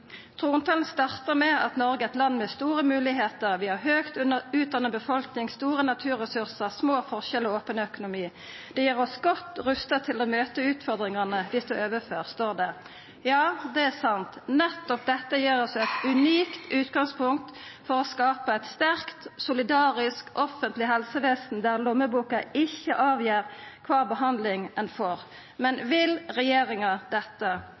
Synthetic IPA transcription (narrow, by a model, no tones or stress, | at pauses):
t̪ʰʁuːnt̪ʰɑln̩st̪ɑʁt̪əʁmɛɑt̪nɔʁɡəɛt̪lɑnːmɛst̪uːʁəmʉːlɪɦeːt̪əʁʋɪhɑʁɦøːkt̪ʉnəʉːt̪̚d̪ɑnːəbəfɔlknɪŋst̪uːʁənɑt̪ʰʉːʁɛsʉʁsəʁsmoːfɔʁʃɛloːpənəœkʊnʊmiː | d̪̥ɛjiːʁɔsɡɔt̪ːʁʉst̪ət̪ʰɪloːmøːt̪əʉːt̪fɔʁd̪ʁɪŋɑnəd̪ɪst̪ʊøːʋəføːʁst̪oːʁd̪ɛ | jɑːd̪ɛæsɑnt̪nɛt̪ːɔp̚d̪ɛt̪ːəjiːʁɔsɛt̪ʉniːkt̪ʉːt̪ɡɑŋspʰʊŋk̚t̪fɔʁɔskɑːpəɛɪt̪st̪æʁkt̪sʊlɪd̪ɑːʁɪskɔfənt̪lɪɦɛlsəʋeːsn̩d̪æʁlʊmːəbuːkɑɪçːəʔɑːʋjiːʁkʰʋɑːʁbəɦɑnd̪lɪŋɛnfɔʁ | mɛnʋɪlʁɛjeːʁɪŋɑd̪ɛt̪ːə